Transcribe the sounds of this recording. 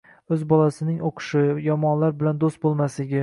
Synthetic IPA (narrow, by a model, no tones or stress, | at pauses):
ɵzbɒlˠasɪnɪŋoqʰɨ̥ʃɪjɒmɒnlaɾbɪland̪ost̪̚bolˠmaslɪɡʲɪ